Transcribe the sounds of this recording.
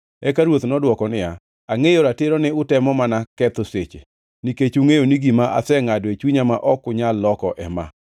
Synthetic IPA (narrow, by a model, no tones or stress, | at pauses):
ɛkaɾwot̪nɔdwɔkɔnɪja | aŋejoɾateɾonɛʊtɛmɔmanakɛt̪oset͡ʃḛ | niket͡ʃuŋejoniɡimaʔa̰sɛŋadwet͡ʃwiɲamaʔɔkʊɲalːɔkɔʔɛma̰